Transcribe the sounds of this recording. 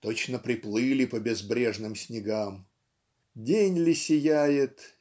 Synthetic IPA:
t̪ot͡ɕn̪əpɾʲɪplˠɨlʲɪpəbʲɪzbɾʲeʐnɨmsʲnʲɪɡam | dʲenʲlʲɪsʲɪjæjɪt̪

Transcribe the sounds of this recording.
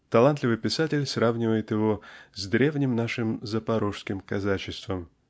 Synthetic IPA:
t̪ɐlˠant̪lʲɪvɨjpʲɪsatʲɪlʲsravnʲɪvəjɪt̪jɪvozd̪ɾʲʔe̞vnʲɪmnaʂɨmzəpɐɾoʂskʲɪmkɐzat͡ɕɪst̪vəm

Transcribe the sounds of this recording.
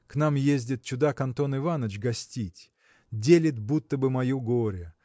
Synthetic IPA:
kn̪amjezʲdʲɪt̪̚t͡ɕʊd̪akɐnt̪o̞nɨvanət͡ɕɡɐsʲtʲitʲ | dʲelʲɪt̪but̪ːəbɨmɐjuɡoɾʲə

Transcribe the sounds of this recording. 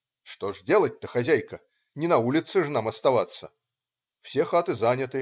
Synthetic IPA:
ʂt̪ɔʐdʲelˠɐt̚ʲt̪ɐxazʲæjkɐ | nʲɪnɐulʲɪt̪sɨʐnamɐst̪avat̪sːə̰ | w̥sʲɛxat̪ɨzanʲɐt̪ɨ

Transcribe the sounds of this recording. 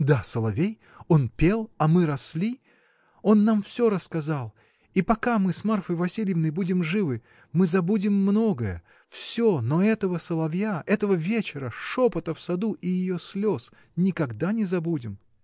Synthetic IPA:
d̪asəlˠɐvʲej | o̞npʲe̞lˠɐmɨɾɐsʲlʲi | o̞nːamfsʲoɾəskɐzalˠ | ipɐkamɨsmarfəjvɐsʲilʲjəvnəjbudʲɪmʐɨvɨ | mɨzɐbudʲɪmːnoɡəjə̰ | fsʲonoɛt̪əvəsəlˠɐvjaɛt̪əvəvʲet͡ɕɪɾəʂopət̪əfsɐd̪uʔijɪjoslʲos | nʲɪkɐɡd̪anʲɪzɐbudʲɪm

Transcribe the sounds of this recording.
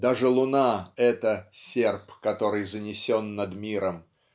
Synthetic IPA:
d̪aʐɨlˠʊnaɛt̪əsʲerpkɐt̪o̞ɾɨjzənʲɪsʲonːəd̪mʲiɾəm

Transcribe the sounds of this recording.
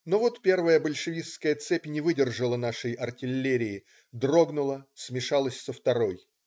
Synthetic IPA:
no̞vot̪pʲe̞rvəjəbəlʲʂɨvʲiskəjət̪sɛpʲnʲɪvɨdʲɪrʐəlˠənaʂɨjɐrtʲɪlʲːeɾʲɪː | d̪ro̞ɡnʊlˠəsmʲɪʂalˠəsʲsəft̪ɐɾo̞j

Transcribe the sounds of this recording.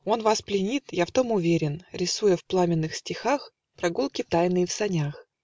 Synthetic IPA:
o̞nvasplʲɪnʲit̪jaft̪o̞mʊvʲeɾʲɪnɾʲɪsujəfplˠamʲɪnːɨxsʲtʲɪxax | pɾɐɡulˠkʲɪt̪ajnɨjɪfsɐnʲax

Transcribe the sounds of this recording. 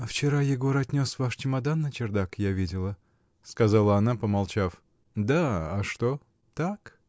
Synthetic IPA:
ft͡ɕɪɾajɪɡo̞ɾəɐt̪ʲnʲo̞svaʂt͡ʃɪmɐd̪anːət͡ɕɪrd̪akjavʲidʲɪlˠə | skɐzalˠəɐnapəmɐlˠt͡ɕaf | d̪aɐʂt̪o | t̪ak

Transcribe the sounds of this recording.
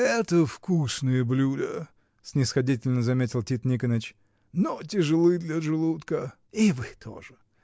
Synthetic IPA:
ɛt̪əfkusnɨjəblʲulʲə̰ | sʲnʲɪsxɐdʲitʲɪlʲnəzɐmʲetʲɪlˠtʲit̪nʲikənət͡ɕ | notʲɪʐɨlˠɨjd̪lʲɐʐɨlˠut̪kə | ivɨt̪ʰo̰ʐɨ

